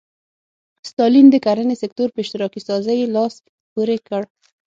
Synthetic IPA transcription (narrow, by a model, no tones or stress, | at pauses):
st̪ɑlind̪əkaɾənesɪkt̪oɾpeʃt̪ɪɾɑkisɑzəjelɑst̪ | puɾekəɽ